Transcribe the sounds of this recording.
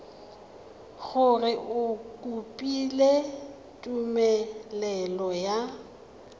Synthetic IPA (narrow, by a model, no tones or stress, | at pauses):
ɣʊrɪʔʊkʼupʼile | tʼumɛlɛlɔja